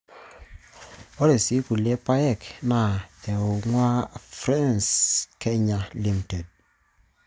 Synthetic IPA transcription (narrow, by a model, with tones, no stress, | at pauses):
o˦ɾe˨si˦ku˨le˦pa˦jɛ˦˨kna˨te˨o˨ŋwa˦fɾa˦nskʰe˦ɲa˨li˦m˨te˨d̚